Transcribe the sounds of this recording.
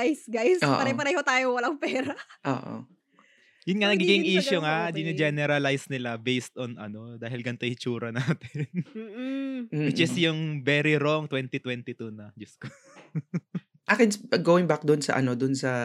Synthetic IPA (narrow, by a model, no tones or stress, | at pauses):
ajsɡajsʔoːʔpɐɐjpɐɾɐjhot̪aːjowɐlɐŋpɛːɾɐʔo̰ːʔo̰ | jʊnŋɐnɐɡiɡɪŋʔiːʃʊŋaʔd͡ʒ̪inɪd͡ʒɛnɛɾɐlajsnɪlabejst̪onʔɐ̰no̞d̪aːɦɪlɡɐnt̪ojhɪt͡ʃuːɾɐnaːt̪ɪ̥nː | ɪt̪̚d͡ʒɐsjʊŋvɛːɾiɾoŋt̪wɛnt̪it̪wɛnt̪ɪt̪unɐd͡ʒʊsko | ʔakɛnsɡowɪ̃ŋbak̚d̪ʊnsɐ̰ʔɐ̰nod̪ʊnsɐ